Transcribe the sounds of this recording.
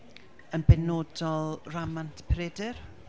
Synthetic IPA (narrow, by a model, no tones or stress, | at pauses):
ənbɛnoːdɔlˠramantʰpʰɾedɪr